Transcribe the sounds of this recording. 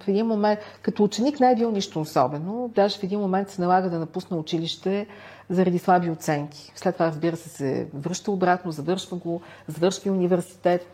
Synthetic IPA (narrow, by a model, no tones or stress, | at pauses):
fɛd̪inmomɛnt̪kɐt̪oːt͡ʃɛniknɛɛbilˠniʃt̪oːsɔbɛnod̪aʒɛfɛd̪inmomɛnt̪sɛnɐlˠaɡəd̪ɐnɐpusnəʊt͡ʃiliʃt̪ɛ | zɐɾɐd̪islˠabiot̪sɛŋkʰʲi̥slɛt̪ːovaɾəzbiɾəsɛsɛ̰vɾɤʃt̪əobɾat̪nozɐvɤɾʃvəɡo | zɐvɤɾʃvʲiunivɛɾsi̥t̪ɛt̪